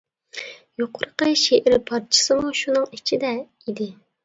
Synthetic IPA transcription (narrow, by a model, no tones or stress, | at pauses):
joqʰʊɾqəʃeʔɪɾpʰɑɾt͡ʃʰɪ̥sɨmuʃunɨŋit͡ʃʰid̪ɛ | id̪ɪ